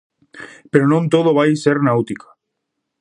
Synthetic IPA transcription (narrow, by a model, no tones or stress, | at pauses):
peɾonõnt̪oð̞oβ̞ajseɾnawt̪ikḁ